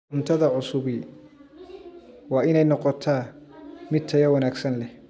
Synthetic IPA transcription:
ʊnt̪ʰɐðɐʕʊsʊβɪ | wɑːɪnɛjnɔqɔt̪ʰaːmɪt̪ʰɐjɐwɐnaːɡsɐnlɛh

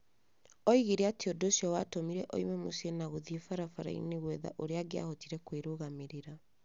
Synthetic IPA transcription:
ɔiɣeɾeatiodoɕiɔwatomiɾɛʔɔ̰imɛmosenaɣoðefaɾafaɾa̰ḭneɣwɛða̰ʔoɾeaɡea̰hotiɾɛkweɾoɣameɾeɾa

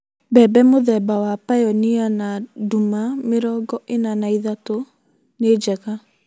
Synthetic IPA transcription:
bɛːbɛmoðɛbawapajɔnianadumameɾɔːɡɔʔenanaiðato | ned͡ʒɛɣa

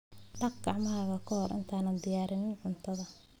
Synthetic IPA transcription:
ɖɐk̚ɡɑʕmɐɦɐɣɐkʰɐhɔrʔɪ̰nt̪ʰaːnɐnd̪ɪjaːɾɪnɪnʕʊnt̪ʰɐðɐ

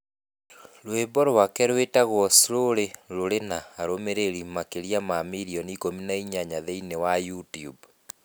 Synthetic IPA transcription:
lwebɔɾwakɛɾwetaɣwɔsiɾoɾeɾoɾenaːɾomeɾeɾimakeɾijamamiɾiɔnikominaiɲaɲaðeinewajutiub

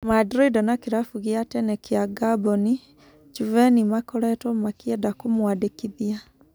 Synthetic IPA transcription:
madɾidɔnakiɾafuɣiatɛnɛkiaɡabɔni | d͡ʒuvɛnimakɔɾɛtɔmakiɛdakumwadekiðia

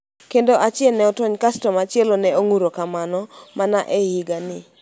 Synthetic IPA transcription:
kendoʔat͡ʃɪɛlnɛɔtwɔɲkastɔmat͡ʃɪelonɛoŋuɾokamanɔmanaʔehiɡanɪ

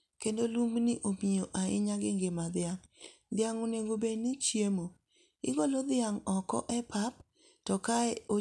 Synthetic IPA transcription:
kendolumnɪʔomioʔaɪ̰ɲaɡɪŋɡemad̪ɪaŋ | d̪ɪaŋoneŋɡobenit͡ʃjemo | ɪ̰ɡolod̪ɪaŋɔkɔ̰ʔɛpap | tɔkaɛo

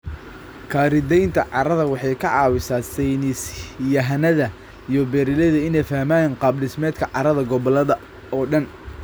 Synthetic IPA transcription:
kʰaːɾɪd̪ɛjnt̪ʰɐʕɑɾɐðɐwɑħɑjkʰɐʕɑːwɪsaːsɛjnɪsjɐɦɐnɐðɐ | ijɞbɛɾɪlɐðɐɪnɛjfɐhmaːjnqɑːblɪsmɛːd̪kʰɐʕɑɾɐðɐɡɔβɔlɐðɐ | ɔːɖɐn

